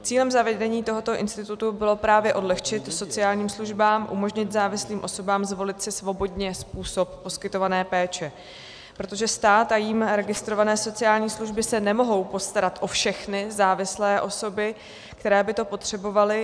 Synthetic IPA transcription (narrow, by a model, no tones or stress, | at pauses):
t͡siːlɛmzavɛdɛɲiːt̪o̞ɦo̞t̪o̞ʔɪ̰nst̪ɪt̪ut̪ubɪlo̞pɾaːvjɛʔo̞dlɛxt͡ʃɪt̪so̞t͡sɪaːlɲiːmsluʒbaːmʔṵmo̞ʒɲɪt̪zaːvɪsliːmʔo̞so̞baːmzvo̞lɪt̪sɪsvo̞bo̞d̪ɲɛspuːso̞p̚ːo̞skɪt̪o̞vanɛːpɛːt͡ʃɛ | pɾo̞t̪̬o̞ʒɛst̪aːt̪ajiːmɾɛɡɪst̪ɾo̞vanɛːso̞t͡sɪjaːlɲiːsluʒbɪsɛnɛmo̞ɦo̞wpo̞st̪aɾat̪ʔo̞fʃɛxnɪzaːvɪslɛːʔo̞so̞bɪ | kkt̪ɛɾɛːbɪt̪o̞po̞t̪r̝̥ɛbo̞valɪ